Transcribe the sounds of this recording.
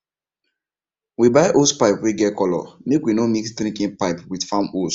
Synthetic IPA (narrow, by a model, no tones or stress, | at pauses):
wibaɪʔospaɪpweɡɛtkɔlɔ̰mekwinomiksdɾĩŋkĩnpaɪpwidfamos